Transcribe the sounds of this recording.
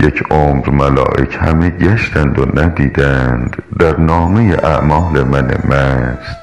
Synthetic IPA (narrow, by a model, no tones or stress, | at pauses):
jecʰʔomɾmælɒ̰ːʔḛcʰhæ̰meɟæʃt̪ænd̪onæd̪iːd̪ænd̪̥d̪æɾnɒːmejeʔæ̰ʔmɒːlemænḛmæst̪